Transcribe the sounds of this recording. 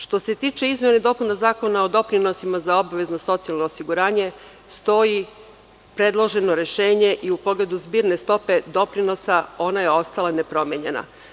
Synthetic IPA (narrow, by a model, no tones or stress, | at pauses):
ʃt̪o̞se̞t̪iːt͡ʃe̞izmʲjened̪o̞punazaːko̞nao̞d̪o̞pɾino̞simazao̞baʋe̞zno̞so̞t̪sialˠno̞ːsiɡuɾaːɲe̞ | st̪o̞ji | pɾe̞d̪lˠo̞ʒe̞no̞ɾe̞ʃe̞ːɲe̞ʔiupo̞ɡle̞d̪uzbiːɾne̞st̪o̞pe̞d̪o̞pɾino̞sao̞naje̞o̞st̪alane̞pɾo̞mʲjeɲe̞̰na̰